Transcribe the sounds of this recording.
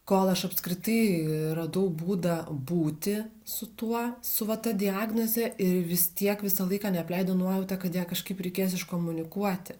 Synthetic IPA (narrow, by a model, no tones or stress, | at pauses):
koːlˠɐʃɐpskɾʲɪt̪ɐɪrɐd̪ɐʊbuːd̪ɐbuːt̪ʲɪ | sʊt̪uɔsʊʋɐt̪ɐd̪ʲɪaːɡnozʲɛɪɾʋʲɪst̪ʲiɛkʋʲɪsɐlˠɐɪkɑːnʲɛɐpʲlʲɛɪd̪onuɔjɛʊt̪ɐkɐt̪jiɛkɐʃkɐɪpɾʲɛɪkʲeːjsɪʃkoːmʊnʲɪkuɔt̪ʲɪ